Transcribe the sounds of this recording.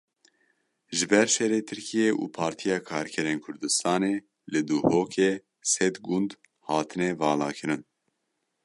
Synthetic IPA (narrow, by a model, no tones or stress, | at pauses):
ʒɨbɛɾʃɛɾeːt̪ʰɨɾkʰijeːʔṵːpʰɑːɾt̪ʰijɑːkʰɑːɾkʰɛɾeːnkʰʊɾd̪ɨst̪ɑːneː | lɨd̪uhoːkʰeː | sɛd̪ɡund̪ | hɑːt̪ʰɨnɛvɑːlɑːkʰɨɾɨn